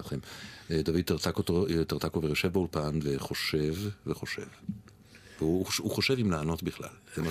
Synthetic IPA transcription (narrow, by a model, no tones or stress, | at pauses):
χemed̪avid̪̚t̪aʁt̪akott̪aʁt̪akoveʁeʃevbaulpanveχo̞ʃe̞vveχo̞ʃe̞̰v | veuuχo̞ʃevimlaːno̞t̪biχla̰lzema